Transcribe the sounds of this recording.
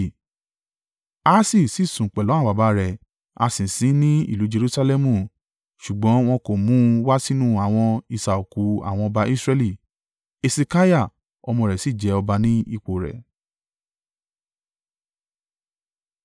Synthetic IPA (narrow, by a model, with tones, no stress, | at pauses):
a˦si˦˨si˨˦˨sũ˨k͡pɛ˨lɔ̃˨˦a˦˨ba˨˦ba˦ɾɛ˨ | a̰˧sĩ˨sĩ˨˦nĩ˦ḭ˦˨lu˨˦d͡ʒe˧ɾu˦sa˦lɛ˦mũ˦˨ | ʃu˨ɡ͡bɔ̃˨˦w̃ɔ̃˧ko˨mũ˨˦wa˦si˦nũ˦a˨w̃ɔ̃˧i˧˨sa˨o˨ku˨˦a̰˦˨w̃ɔ̃˧ɔ˧ba˧i˦sɾɛ˦li˦˨ | e˧se˧ka˦ja˦˨ | ɔ˧mɔ̃˧˨ɾɛ˨si˦˨d͡ʒɛ˨˦ɔ˧ba˧nĩ˦i˧˨k͡po˨ɾɛ̰˨